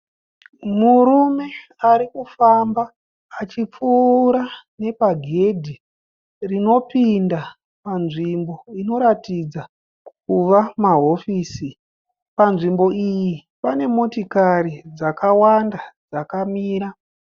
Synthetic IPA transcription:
muɾume̞aɾikufambaː | t͡ʃip͡fuɾane̞paɡʱe̞dʱi | rino̞pinda | panʐimbo̞ino̞ɾatid͡za | kuʋamaɦo̞fiːsi | panʐimbo̞iji | pane̞mo̞tikaɾid͡zakawandad͡zakamiːɾa

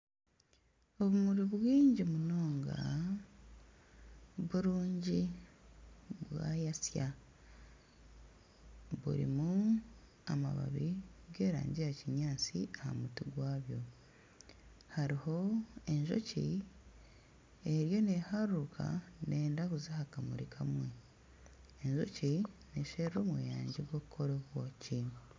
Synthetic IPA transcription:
o̞βumuɾiβwiːɲɟimuno̞ːŋɡa̰ | βuɾuːɲɟi | βwa̰jasja | βṵɾḭmu | ama̰βa̰βiɡe̞ːɾa̰ːɲɟijaciɲaːt͡siʔaha̰mutiɡwaːβjo̞ | haɾiho̞e̞ɲʒo̞̰ci | eɾjo̞nehaɾukʰa̰ne̞ːndakuzahakamuɾikʰamwe̞ | eɲʒo̰cineʃeɾɾo̞ːmwḛjaːɲɟeɡwo̞kukʰo̞ɾoβwoci

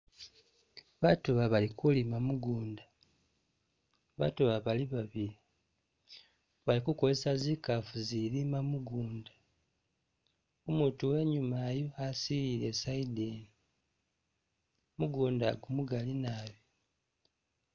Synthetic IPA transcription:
βatuβaβalikʰulimamuɡuːnda | βa̰tuβaβaliβaβili | βalikuko̞lesazikafuziɾimamuɡuːndḁ | umutuwe̞ɲumajoasiɾilesaideni | muɡuːndaɡumuɡalinaːβjo

